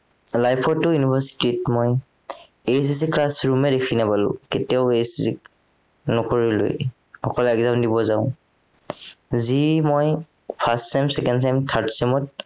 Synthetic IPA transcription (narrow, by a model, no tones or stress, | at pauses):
lajpʰɔtːʊjunibʱasi̥titmɔj | ejs̬is̬iklasɹumɛdekʰinapalʊ̰̃ketiaʊejsisḭk | nɔkoɹilo̰j | xɔkɔlɛɡzamdibɔzaʊ̃ | zimoj | pʰastsɛmsɛkɛnds̬ɛmtʰaɹtsɛmɔt̚